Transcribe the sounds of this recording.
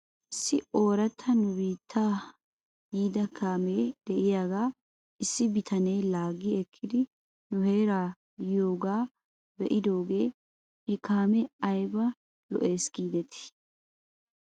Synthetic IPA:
ʔɪsːɪo̞ːɾɐt̪ʰːɐnʊbiːt̪ʰːaː | jiːd̪ɐkʰaːmeːd̪̥ɛʔɪjaːɡaː | ʔɪsːɪbɪt̪ʰɐneːlaːɡɪɛkʰːɪd̪ɪ | nʊhe̞ːɾaː | ɪjoːɡaː | bɛʔɪd̪o̞ːɡe̞ː | hɛkaːmɛɐjbɐ | lɔ̰ʔe̞ːsɡ̥iːd̪ɛt̪ʰɪ̥

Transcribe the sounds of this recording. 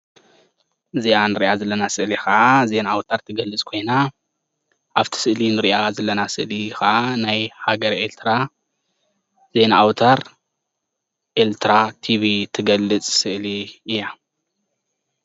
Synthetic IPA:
zianɨɾiʔazɐlːɐnasɨʔlixɐʔaze̞naːwt̪ʰaɾt̪ʰɨɡɐlːɨt͡sʼkʰo̞jna | ʔaβt̪ʰi̥sɨʔlinɨɾiʔazɐlːɐnasɨʔlixaʔanajhaɡɐɾʔelt̪ʰɾa | z̥e̞naʔawt̪ʰaɾ | ʔelt̪ʰɾat̪ʰiβit̪ʰɨɡɐlːɨt͡sʼsɨʔliɨjːa

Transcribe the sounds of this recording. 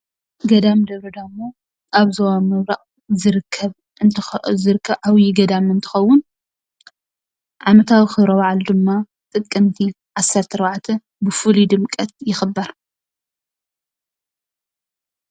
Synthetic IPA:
ɡɐd̪amd̪ɐβɾɐd̪ɐmːo | aβzowamɐβɾaʔʼ | zɨɾɨkʰːɐβ | ʔɨnt̪ʰɨzɨɾɨkʰːɐβʕawjɪɡɐd̪amɨnt̪ʰɨ̥xɐwːʊn | ʕamɐt̪ʰawixɨβɾɐwaʕald̪ɨmːa | t̪ʼɨkʼːɐmt̪ʰi | ʕasːɐɾt̪ʰɨɾbaʕt̪ʰɐ | bɨfɨlid̪ɨmkʼɐt̪̚jɪxɨbːɐɾ

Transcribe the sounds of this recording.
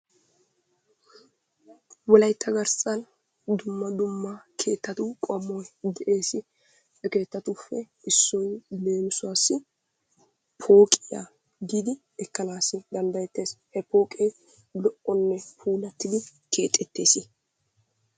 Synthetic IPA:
wɔlɐjt̪ʰːɐɡɐɾsɐn | d̪ʊmːɐd̪ʊmːɐkʰe̞ːt̪ːɐt̪ʊkʼɔɐmːɔjd̪ɛʔe̞ːsɪ | ɛke̞ːt̪ːɐt̪ʊfːɛ | ɪsːɔjle̞ːmʊsʊwaːsːɪ | pʰo̞ːkʼɪja̰ | ɡiːd̪ɪ | ɛkːɐnaːsɪd̪ɐnd̪ɐjɛt̪ːe̞ːshɛpo̞ːkʼeː | lɔʔɔnːɛpʰuːlɐt̪ːɪd̪ɪ | kʰe̞ːt̪ʼːɛt̪ːe̞ːsɪ

